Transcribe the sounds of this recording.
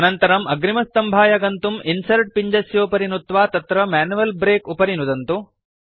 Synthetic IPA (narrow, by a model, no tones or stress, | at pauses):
ɐnɐnt̪ɐɾɐmɐɡɾimɐst̪ɐmbʱaːjɐɡɐnt̪uminsɐɾʈ̚piɲd͡ʒɐsjoːpɐɾinut̪ʋaːt̪ɐt̪ɾɐmaːnuʋɐlbɾeːkupɐɾinud̪ɐnt̪u